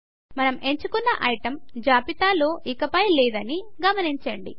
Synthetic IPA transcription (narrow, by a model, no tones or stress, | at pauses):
mɐnɐme̞ɲt͡ʃukunːɐʔɐjiʈɐmd͡ʒaːpit̪aːloːʔikɐpɐjlɛːd̪ɐniɡɐmɐniɲt͡ʃɐɳɖḭ